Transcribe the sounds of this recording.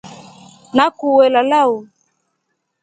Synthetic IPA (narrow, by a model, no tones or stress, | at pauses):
nakuwɛlalau